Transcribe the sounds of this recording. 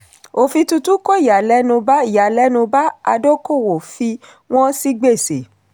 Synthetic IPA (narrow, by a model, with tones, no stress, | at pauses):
o˧fi˧tu˧tu˦ko˦i˦˨ja˨lɛ˦nũ˧ba˦i˨ja˨lɛ˦nũ˧ba˦a˧do˦ko˦˨wo˨fi˧ | w̃ɔ̃˦si˦ɡ͡be˦˨se˨